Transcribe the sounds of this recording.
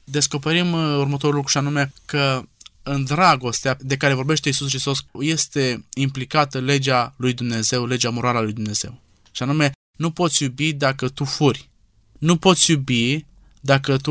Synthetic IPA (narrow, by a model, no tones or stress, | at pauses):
d̪e̞sko̞peɾimurmət̪o̞ɾulukɾuʃianume̞kəɨnd̪ɾaɡo̞st̪ead̪ekaɾe̞vo̞ɾbe̞ʃt̪e̞isuskɾist̪o̞sje̞st̪e̞implikat̪əle̞d͡ʒalujd̪umne̞ze̞wle̞d͡ʒamo̞ɾaləalujd̪umne̞z̥e̞̰w | ʃianume̞ | nupo̞t̪sʲjubid̪akət̪ufurʲ | nupo̞t̪sʲjubi | d̪akət̪u